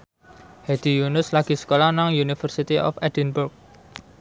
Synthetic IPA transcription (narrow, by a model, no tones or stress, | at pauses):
hɛd̪̥i̤junʊslaɡ̥i̤sə̥kolanaŋjunifərsit̪iʔɔ̰fɛd̥̪ɛnbʊrk̚